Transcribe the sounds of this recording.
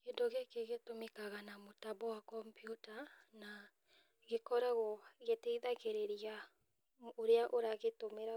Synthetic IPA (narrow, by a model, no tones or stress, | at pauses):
kendoɣekeɣetomekaɣanamotabɔwakɔmpjutana | ɣekɔɾaɣɔɣetɛiðaɣeɾeɾia | oɾeaʔoɾaɣetomeɾa